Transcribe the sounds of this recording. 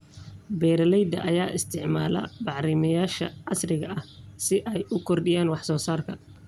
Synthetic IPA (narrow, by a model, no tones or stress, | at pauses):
bɛːɾɐlɛjd̪ɐ̰ʔɐjaːʔɪst̪ʰɪʕma̰ːlɐ̰bɑʕɾɪmɐjaːʃɐʕɑsrɪɣɐʔɐhsɪʔɛjʊkʰɔrɖɪjaːnwɑħsɔːsaːrkʰɐ